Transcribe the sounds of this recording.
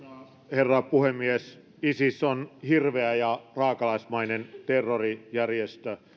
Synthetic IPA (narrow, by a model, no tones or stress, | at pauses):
herːɑpuhemːies | isisonhirʋeæjɑrɑːkɑlɑismɑinent̪erːorijærjest̪ø